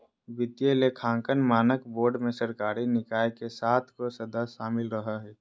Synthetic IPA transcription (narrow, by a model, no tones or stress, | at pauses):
bɪt̪jelekʰãːŋkənmaːnəkboːɾɖmesəɾkaːɾinɪkaːekesaːt̪ʰkosəd̪əsʃaːmɪlɾəɦəɦɛː